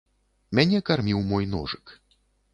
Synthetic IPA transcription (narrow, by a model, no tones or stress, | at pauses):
mʲanʲɛkarmʲiwmɔjnɔ̰ʐɨk